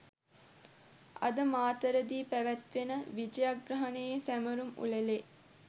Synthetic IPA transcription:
ɐ̰d̪əmaːt̪əɾəd̪iːpæʋæt̪ʋenəʋid͡ʒəjaɡrɐɦɐnejesæməɾumṵləle

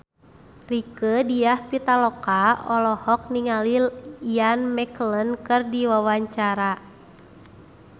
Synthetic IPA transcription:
rikədiahpit̪alɔkaɔlɔhɔk̚niŋaliianmɛklənkɨrdiwawaɲt͡ʃaɾa

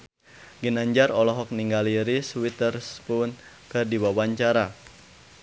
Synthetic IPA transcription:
ɡinaɲd͡ʒaɾɔlɔɦɔk̚niŋɡaliɾiswit̪ərspʊn | kərdiwawaɲt͡ʃaɾa

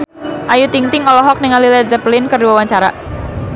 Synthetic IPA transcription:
ʔajut̪iŋt̪ɪŋɔlɔɦɔk̚niŋalilɛd͡ʒəplɪnkərduwawaɲt͡ʃaɾa

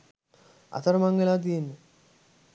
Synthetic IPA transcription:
a̰t̪ʰəɾəmaŋɡelaːt̪̬ijenːə

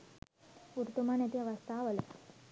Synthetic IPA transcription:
uɾt̪umanet̪iaʋast̪aːʋəlḛ

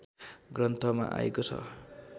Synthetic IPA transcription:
ɡrʌnt̪ʌma̰ʔa̰ekot͡sʰʌ̰

